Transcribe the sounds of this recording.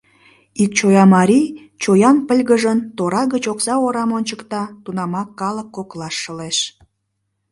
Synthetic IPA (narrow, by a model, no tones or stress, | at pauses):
ik̚t͡ɕojɑmɑɾʲi | t͡ɕojɑnpəlʲɣəʒənt̪oɾɑɣət͡ɕoksɑoɾɑmonʲt͡ɕəkt̪ɑt̪unɑmɑkːɑləkːoklɑʃːəleʃ